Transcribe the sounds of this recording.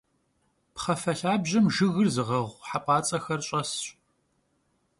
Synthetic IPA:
pχɐfɐɬaːbʑɐmʒɨɣɨrzɨʁɐʁʷħapʼɑːt͡sʼɐxɐrɕʼɐsɕʼ

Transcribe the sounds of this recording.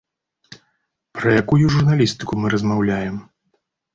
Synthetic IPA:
pɾɐjakujuʐurnalʲist̪ɨkumɨɾɐzmawlʲajɛm

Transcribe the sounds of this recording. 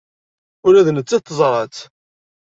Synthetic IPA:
ʊɾæðnət͡sːæt̪ːzˤɾˤɑt͡s

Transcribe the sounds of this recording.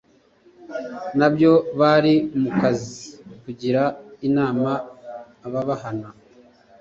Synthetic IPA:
nabjo̞βaɾimukazikuɟiɾainaːmaː | βaβaɦana

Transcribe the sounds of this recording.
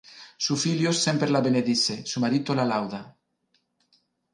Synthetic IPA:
sufiljosempɾelaβeneðisesumaɾit̪olalawða

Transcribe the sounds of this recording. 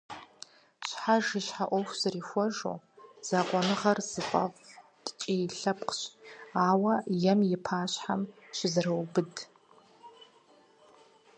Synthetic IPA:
t͡ʃʷʰħaʐɪʃħaʔʷoxʷz̥arixʷaʐo̰ | z̥aqʷʼanɨʁarzɨqʷʼa̰vtʼt͡ʃʼijɬapʰqʰʃʷaːwajɛmjɪpʰaːʃħamʃʷɪzrawbɨdʼ

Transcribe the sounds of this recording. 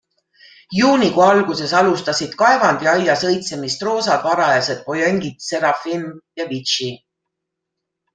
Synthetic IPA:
juːnikuɑlɡ̥use̞sɑlust̪ɑsid̪̥kɑevɑnd̪̥iɑjːɑsɤ̞jt̪se̞mist̪ro̞ːsɑd̪̥vɑɾɑjɑse̞d̪̥̚po̞jeŋɡid̪̥se̞ɾɑfinjɑvit͡ʃi

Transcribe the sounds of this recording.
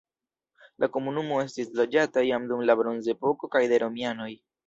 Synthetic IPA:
lʔako̞munumo̞e̞stislo̞d͡ʒatajamdumlabɾo̞nze̞po̞ko̞kajdeɾo̞miano̞j

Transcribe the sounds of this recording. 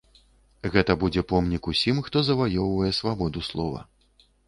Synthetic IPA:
ɣɛt̪ɐbud͡zʲɛpɔmnʲikusʲimxt̪ɔzɐvajɔwvɐjɛsvabɔd̪uslˠɔvɐ̰

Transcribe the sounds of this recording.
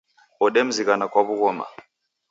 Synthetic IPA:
ɔɗɛm̩ziɣanakwaβuɣɔma̰

